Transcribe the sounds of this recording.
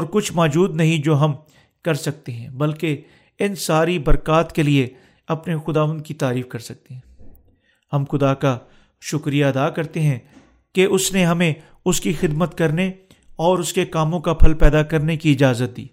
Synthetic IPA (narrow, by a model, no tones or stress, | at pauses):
ɔːɾkʊt͡ʃʰmɔːd͡ʒuːd̪nɐɦĩd͡ʒoːɦɐm | kɐɾsɐk̚t̪eɦɛ̃bɐlke | ɪnsaːɾibɐɾkaːt̪kelie | ɐpnexʊd̪aːʋə̃nd̪̚kit̪aːɾiːfkɐɾsɐk̚t̪eɦɛ̃ː | hɐmxʊd̪aka | ʃʊkɾijaɐd̪akɐɾt̪eɦɛ̃ | keʔʊsneɦɐmẽ | ʊskixɪd̪mət̪kɐɾne | ɔːɾʊskekaːmõkapʰɐlpɛːd̪akɐɾnekiɪd͡ʒaːzət̪̚d̪ḭː